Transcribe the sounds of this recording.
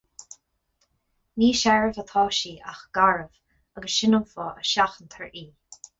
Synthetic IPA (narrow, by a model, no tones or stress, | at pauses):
niːʃɛɹəvət̪ʰɑːʃiːʔa̰xɡ̥aɹəv̥ | əɡəsʃɪnəmfɔːəʃaxənt̪ʰɛɹiː